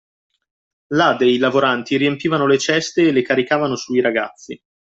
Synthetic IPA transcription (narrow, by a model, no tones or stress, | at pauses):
lad̪eilavoɾant̪iɾiempiːvanolet͡ʃɛst̪eːlːekaɾikaːvanosuiɾaɡa̰t̪sːi